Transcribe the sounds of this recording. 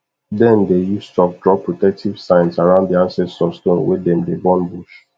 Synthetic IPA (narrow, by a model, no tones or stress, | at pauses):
dɛ̃ndejustɔk̚dɹɔp̚pɹotɛk̚tʰiv̥sãɪ̃nsaɹãʊ̃ndiãnsɛstɔstõnwḛdɛ̃mdebɔ̃nbuʃ